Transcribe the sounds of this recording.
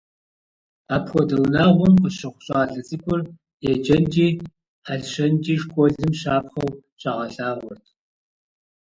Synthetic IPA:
aːpxʷɔdɐwnaːʁʷʊnqəɕɪχʷʊɕʼaːɮɐt͡sʼikʷʰʼʊr | jɛd͡ʒɐnd͡ʒiː | aɮɕɐnd͡ʒiːʂkʷʼɔɮɨmʃaːpχɐwt͡ʃʼɐʁɐɬaːʁʷɔrtʰ

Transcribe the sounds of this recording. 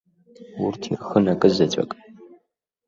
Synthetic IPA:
wʊ̰rtʰḭrxɨnɐkʼɨzɐt͡ɕʼɐ̰kʼ

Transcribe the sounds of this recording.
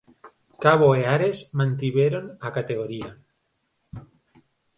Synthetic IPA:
kaβoeaɾe̞zmãnt̪iβeɾonakat̪e̞ɣ̞oɾia

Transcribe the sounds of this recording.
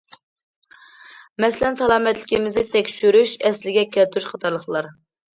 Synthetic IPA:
mɛsɪlɛnsɑlˠɑːmɛt̪lɪkʲimɪznɪt̪ʰɛkʲʃyɾyʃɛslɪɡʲɛkʲʰɛlt̪ʰyɾyʃχʰɑt̪ʰɑɾlˠəχlˠɑɾ

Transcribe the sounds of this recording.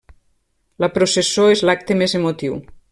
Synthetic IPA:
lapɾosesoezlak̚t̪emezemot̪iw

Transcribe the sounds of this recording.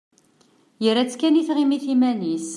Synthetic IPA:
jəɾæt͡sːkæniθʁimiθimænis

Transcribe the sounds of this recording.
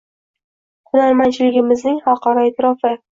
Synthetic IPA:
hʊnaɾmant͡ʃʰɪlɪɡʲɪmɪznɪŋhɒqʰɒɾɒet̪ʰɪɾɒfɪ

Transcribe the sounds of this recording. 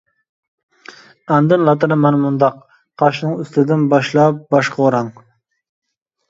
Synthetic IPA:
ɑnd̪ɪnlˠɑt̪ɨɾɪmɛnmʊnd̪ɑq | qʰːɑʃnɨŋyst̪ʰɪd̪ɪnbɑʃlˠɑp̚bɑʃqʰɑoɾɑŋ

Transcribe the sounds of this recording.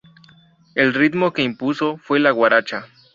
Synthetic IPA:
e̞lrit̪mo̞ke̞impuso̞fwe̞laɣwaɾat͡ʃa

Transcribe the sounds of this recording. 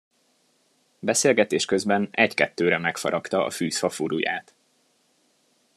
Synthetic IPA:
bɛseːlɡɛt̪eːʃkøzbɛnɛckɛt̪ːøːɾɛmɛkfɒ̰ɾɒkt̪ɒɒ̰fyːsfɒfuɾuja̰ːt̪

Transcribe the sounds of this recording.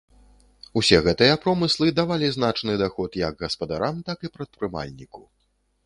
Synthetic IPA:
usʲɛɣɛt̪ɨjɐpɾɔmɨslˠɨd̪avalʲizn̪at͡ʂnɨd̪axɔt̪jɐɡɣɐspɐd̪aɾamt̪akɨpɾɐt̪̚pɾɨma̰lʲnʲiku

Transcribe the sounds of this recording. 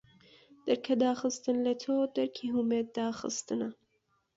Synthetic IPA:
d̪̥ɐɾkʰɐd̪aːxɨst̪ɨnlɐt̪ʰoːd̪ɐɾkʰiɦumeːt̪̚d̪aːxɨ̰st̪ɨnɐ

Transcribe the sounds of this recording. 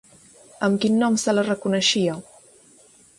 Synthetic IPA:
əmkinːɔmsələrəkunəʃiə

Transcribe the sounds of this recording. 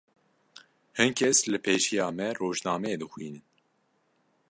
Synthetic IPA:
hɨnkʰɛslɨpʰeːʃijɑːmɛroːʒnɑːmɛeːd̪ɨxʷwiːnɨn

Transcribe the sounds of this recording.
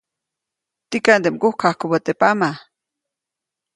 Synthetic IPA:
t̪ikand̪emkuhkʰahkubot̪epama

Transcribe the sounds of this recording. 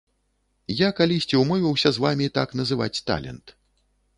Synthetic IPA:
jakalʲisʲt͡sʲiwmɔvʲiwsʲɐzvamʲit̪akn̪ɐzɨva̰t͡sʲt̪a̰lʲɛ̰nt̪

